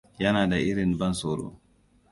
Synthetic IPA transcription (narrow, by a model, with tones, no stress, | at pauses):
jɐ˦naː˨da˨ʔɪ˦ɾɪ˨nbɐ˦nsoː˨ɾo̰ː˦